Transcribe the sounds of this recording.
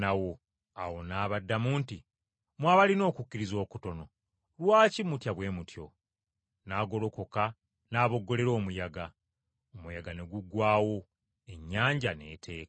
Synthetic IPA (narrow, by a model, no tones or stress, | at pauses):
nawo̞ | awo̞naːβadːamuːnti | mwaːβalino̞ːkucːiɾizo̞ːkuto̞no̞ | lwaːcimutjaβwe̞ːmutjo̞̰ | naːɡo̞lo̞ko̞ka | naːβo̞ɡːo̞le̞ɾo̞ːmujaɡa | omujaɡane̞ɡuɡwaːwo̞ | e̞ɲːaːɲɟane̞̰tʰe̞ːkḁ